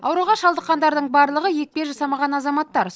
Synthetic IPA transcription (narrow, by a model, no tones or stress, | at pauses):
ɑ̰wɾuʁɑʃɑlˠd̪əqːɑnd̪ɑɾd̪əɴbɑɾlˠəʁəje̞k̚peʒɑsɑmɑʁɑnɑzɑmɑt̪ːɑɾ